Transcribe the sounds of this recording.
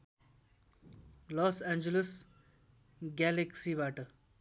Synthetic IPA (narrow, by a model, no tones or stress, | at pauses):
lɔːsɛ̃ːnd͡ʒeləs | ɡɛleksiʋaːʈə